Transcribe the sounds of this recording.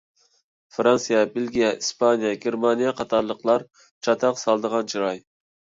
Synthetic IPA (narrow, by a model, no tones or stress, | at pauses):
fɾɑnsijɛbelɡʲijɛispʰɑnijɛɡʲeɾmɑnijɑqʰɑt̪ʰɑɾlˠəqlˠɑɾ | t͡ʃʰɑt̪ʰɑqsɑlˠd̪əʁɑnt͡ʃʰiɾɑj